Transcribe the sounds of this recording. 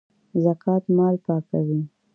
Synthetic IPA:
zakʰɑt̪mɑlpɑkawi

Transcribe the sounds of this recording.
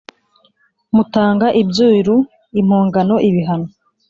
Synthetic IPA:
mutaːŋɡaʔibjuːɾu | im̥oːŋɡano̞ʔiβiɦano

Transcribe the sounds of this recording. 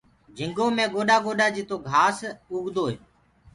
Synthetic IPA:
d͡ʒʱɪŋɡoːmẽːɡoːɗaːɡoːɗaːd͡ʒit̪oːɡʱaːsʊːɡd̪oːɦeː

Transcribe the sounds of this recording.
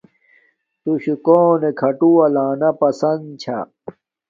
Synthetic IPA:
t̪uɕkoːnekʰɐʈuɐlaːnɐpɐsɐnt͡ɕʰa̰

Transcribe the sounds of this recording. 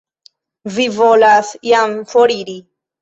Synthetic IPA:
vivolasjamfoɾiɾi

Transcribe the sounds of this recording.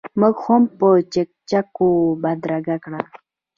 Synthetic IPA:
mʊɡxompət͡ʃek̚t͡ʃakobad̪ɾaɡakɽa

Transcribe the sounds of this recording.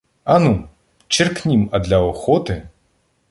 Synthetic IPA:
ɐnu | t͡ʃirknʲimɐd̪lʲɐɔxɔt̪ɨ

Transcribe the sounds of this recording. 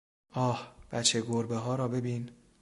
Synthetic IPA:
ʔɒːhb̥æt͡ʃʰeɡoɾbeɦɒːɾɒːbe̞biːn

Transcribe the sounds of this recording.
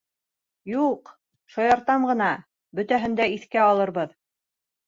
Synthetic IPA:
juq | ʃɑjɑɾt̪ɑmʁɤ̆nɑ | bɵ̆t̪æɦɘ̆nd̪æiθkæɑlˠɤ̆ɾβɤð

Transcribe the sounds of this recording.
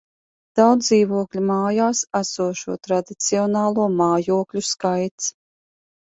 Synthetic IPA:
d̪̥awd̪ziːvuɔklʲimaːjaːsæsuɔʃuɔt̪ɾad̪it̪siɔnaːlˠuɔmaːjuɔklʲuskajt̪s

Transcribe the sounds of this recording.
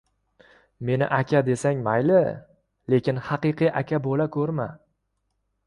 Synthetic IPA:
me̞nɪ̰ʔakʲʰad̪e̞saŋmajlɪ | le̞kʲɪnhɑqɨqɨjʔakʲʰabolakʰɵɾma

